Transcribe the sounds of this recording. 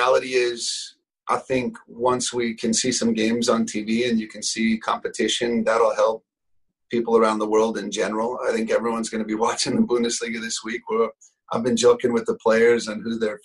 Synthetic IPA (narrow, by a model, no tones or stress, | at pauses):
ælˠəɾiɪz̥ | ʔaɪθɪ̃ŋkwʌ̃nswikʰɨ̃nsisʌ̃mɡẽɪ̃mzn̩tʰiviɨ̃njɨkʰɨ̃n̩sikʰɑ̰̃mpɨtʰɪʃɨ̃nðəɾl̩ˠhɛlˠp̚ʰː | ipl̩ˠə˞ãʊ̃nðəwɜ˞lˠdɨ̃nd͡ʒɛnə˞l̩ˠa̰ɪθɪ̃ŋkɛvɹiwʌ̃nzɡʌnɨbiwɑt͡ʃɪ̃ŋðəbũnɨsliɡɨðɪswikwə˞ | ʔaɪvbɨ̃nd͡ʒoʊkɪ̃ŋwɨðəpʰl̥eɪə˞zə̃nhʉðə˞